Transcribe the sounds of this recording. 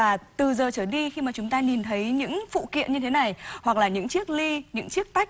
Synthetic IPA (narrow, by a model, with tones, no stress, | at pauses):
aː˨˩t̪ɨ˨˩zəː˨˩t͡ɕəː˧˩ɗi˧xi˧maː˨˩t͡ɕʊ˨˦ŋ͡mt̪aː˧ni˨˩nt̪ʰə˨˦jɲɨ̰˧˥ŋfṵ˧˨kḭ˧˨ənɲɨ˧t̪ʰe˨˦na˨˩jhwa˨˩k̚laː˨˩ɲɨ̰˧˥ŋt͡ɕi˦˥ək̚li˧ɲɨ̰˧˥ŋt͡ɕi˦˥ək̚t̪a˦˥jk̟̚